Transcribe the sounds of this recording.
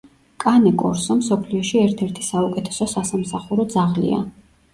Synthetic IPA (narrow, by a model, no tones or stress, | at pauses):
kʼanɛkʼɔ̰ɾsɔmsɔpʰliɔʃiɛɾt̪ʰɛɾt̪ʰi̥saukʼɛt̪ʰɛ̥sɔsasamsaχuɾɔd̪zaʁlḭa̰